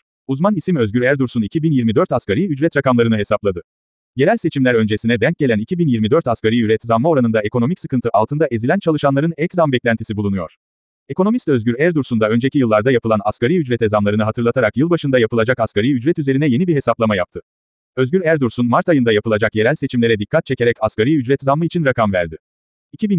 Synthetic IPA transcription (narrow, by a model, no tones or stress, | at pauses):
uzmanisimø̞zɟʲyɾæɾd̪uɾsunicʰibinjiɾmid̪øɾt̪askʰaɾijyd͡ʒɾɛt̪ɾakamlˠaɾɯnɯɦe̞saplˠad̪ɯ | je̞ɾælʲse̞t͡ʃʰimlʲæɾø̞nd͡ʒesinɛd̪æɲc̚ɟe̞lʲænicʰibinjiɾmid̪øɾt̪askaɾijyɾɛt̪ʰzamːao̞ɾanɯnd̪ae̞kʰo̞no̞micsɯkɯnt̪ʰɯʔalˠt̪ɯnd̪aʔe̞zilʲænt͡ʃʰalˠɯʃanlˠaɾɯnɛczambɛclʲænt̪ʰi̥sibulˠunujo̞̰ɾ̥ | e̞ko̞no̞mist̪øzɟʲyɾæɾd̪uɾsund̪aø̞nd͡ʒecʰijɯlˠːaɾd̪ajapʰɯlˠana̰skaɾijyd͡ʒɾɛt̪ezamlˠaɾɯnɯɦat̪ʰɯɾlˠat̪ʰaɾakjɯlˠbaʃɯnd̪ajapʰɯlˠad͡ʒakaskaɾijyd͡ʒɾɛt̪yze̞ɾinɛje̞nibiɦe̞saplˠamajap̚t̪ʰɯ | øzɟʲyɾæɾd̪uɾsunmaɾt̪ajɯnd̪ajapɯlˠad͡ʒakje̞ɾælʲse̞t͡ʃʰimlʲeɾɛd̪ikʰːat̪̚t͡ʃʰe̞cʰe̞ɾɛcaskaɾijyd͡ʒɾɛt̪zamːɯit͡ʃʰinɾakʰamvæ̰ɾd̪ɪ | icʰibin